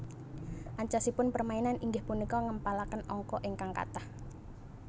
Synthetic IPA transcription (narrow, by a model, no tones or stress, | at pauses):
ʔaɲt͡ʃasipʊnpərmainanʔiŋɡɪhpunikɔŋəmpalakənɔŋkɔʔɪŋkaŋka̰t̪ah